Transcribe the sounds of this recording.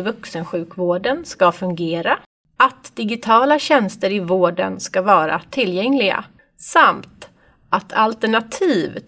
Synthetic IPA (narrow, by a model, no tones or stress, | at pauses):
vɵksənɧʉ̟ːkvoːɖənskafɵŋɡeːɾa | ʔat̪d̪̥ɪɡɪt̪ʰɑːlaɕɛnst̪əɾɪvoːɖə̰nskavɑːɾa̰t̪ʰɪlːjɛŋlɪɡa̰ | samt̪ | ʔat̪ʰalt̪ɛɳat̪ʰiːv